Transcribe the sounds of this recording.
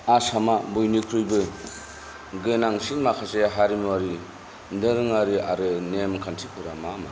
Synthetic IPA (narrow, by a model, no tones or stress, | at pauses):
asamabujnikʰɾɯjbɯ | ɡɯnaŋsinmakʰaseɦaɾimuaɾi | ndɯɾɯŋaɾiaɾɯnemkʰantʰikʰɯɾamama